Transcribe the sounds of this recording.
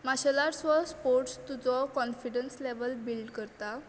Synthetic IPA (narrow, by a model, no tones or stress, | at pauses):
maɕəlaɾsʋəspoɾʈst̪ud͡zɔkɔnfiɖənsleʋəlbilɖkəɾt̪a